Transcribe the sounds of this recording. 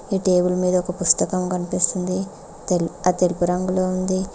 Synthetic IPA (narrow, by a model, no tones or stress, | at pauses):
iːʈeːbulɐmiːd̪ɐɔkɐpust̪ɐkɐmkɐnipist̪und̪i | t̪elat̪e̞lipuɾɐŋɡulo̞ːund̪i